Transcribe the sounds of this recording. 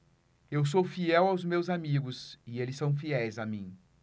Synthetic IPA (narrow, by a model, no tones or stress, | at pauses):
ews̬owfiɛwawzmewzamiɡʊzɪelɪsːɐ̃w̃fiɛjzamĩ